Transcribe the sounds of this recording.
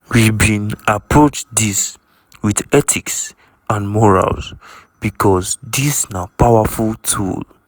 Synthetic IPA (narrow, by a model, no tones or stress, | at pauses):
wibĩnapɹot͡ʃdis | widɛtʰiks | ãnmɔɹa̰lsb̥ikʰɔsdisnapawafultʰṵl